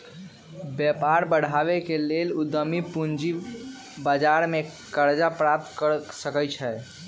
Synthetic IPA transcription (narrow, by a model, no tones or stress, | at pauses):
bjɛpaɾbəɽ̤ʱaβekelelud̪əmipund͡ʒi | bad͡ʒaɾme | kəɾd͡ʒapɾap̚t̪kəsəkət͡ʃʰɛ